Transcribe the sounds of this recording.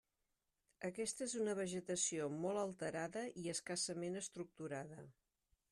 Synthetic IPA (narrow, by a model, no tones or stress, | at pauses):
əkɛst̪əezunəβ̞əʒət̪əsiomɔlˠəlˠt̪əɾaðəʔiəskasəmenəst̪ɾuk̚t̪uɾaðə